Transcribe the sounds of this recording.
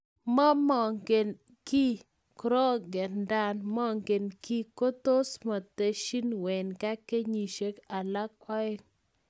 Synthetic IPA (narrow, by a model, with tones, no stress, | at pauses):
mɔ˦mɔ˨ŋɡe˨n | ki˦ | kɾɔ˦ɡɛ˨nda˦˨nmɔ˦ŋɡe˨nki˦ko˦t̪o˦sma˨t̪e˨ʃi˦nwɛ˨nka˦ke˦ɲi˨ʃe˦ka˨la˦kɔ˦ɪ˦